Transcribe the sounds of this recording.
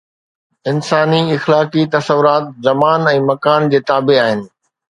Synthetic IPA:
ɪnsaːniɪxlaːkit̪ɐsəʋʊɾaːt̪̚zɐmaːnɛ̃ːmɐkaːnd͡ʑeːt̪aːbeaːɦɪnɪ̆

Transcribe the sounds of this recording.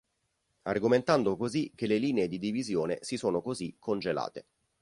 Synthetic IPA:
arɡoment̪and̪okozik̟ːeleliːneed̪id̪ivizjoːnesisoːnokozikʰːond͡ʒela̰ːt̪e

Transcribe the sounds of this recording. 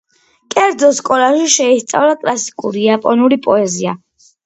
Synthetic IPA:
kʼɛɾd̪zɔskʼɔlaʃiʃɛist̪sʼa̰vlakʼlasi̥kʼṵɾijapʼɔnuɾipʼɔɛzia̰

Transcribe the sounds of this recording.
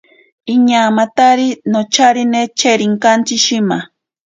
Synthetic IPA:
iɲamat̪aɾinot͡ʃaɾinet͡ʃeɾiŋkant͡ʃɪʃɪma

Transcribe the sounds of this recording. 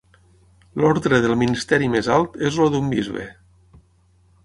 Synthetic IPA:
lɔɾðɾeðəlˠminist̪ɛɾimezalˠt̪ezloðumbḭzβḛ

